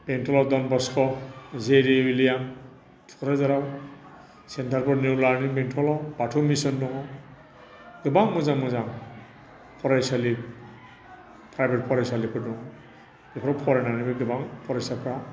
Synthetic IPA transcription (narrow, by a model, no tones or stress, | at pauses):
bentʰɔlɔdɔnbɔskʰɔzeɾiwilijaŋ | tʰu̥kʰɾazaɾaw | sentʰaɾpʰɔɾnuwlaɾnibentʰɔlɔb̥atʰɔmisɔndɔŋɔ | ɡ̥ɯbaŋmɯzaŋmɯzaŋ | pʰɔɾajsalip | pʰɾajbet̚pʰɔɾajsalipʰɯɾdɔŋɔ | ɡipʰɾɔpʰɔɾanaɾnibɯɡɯbaŋpʰɔɾajsapʰɾa